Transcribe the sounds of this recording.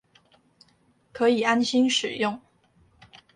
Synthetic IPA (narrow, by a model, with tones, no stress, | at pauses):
kʰɤ˧˥i˨˩a˥nɕi˥nʂɻ̩˨˩jʊ˥˩ŋ